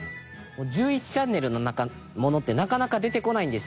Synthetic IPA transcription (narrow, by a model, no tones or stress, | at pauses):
moːd͡ʑɨːit͡ɕi̥t͡ɕãnːe̞ɾɯ̟no̞naka | mo̞no̞t̪ːe̞nakanakad̪e̞t̪e̞ko̞naĩnd̪e̞sɨ̥